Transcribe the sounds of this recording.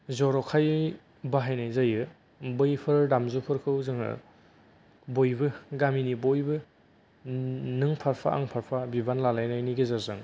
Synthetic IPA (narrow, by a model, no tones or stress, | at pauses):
zɔɾɔkʰaj | baɦajnajzajɯ | bɯjpʰɯɾdamzɯpʰɯɾkʰɯwzɯŋɯ̰ | bojbɯɡaminibojbɯ | nɯŋpʰaɾpʰa̰ʔa̰ŋpʰaɾpʰabibanlalajnajniɡezaɾzɯŋ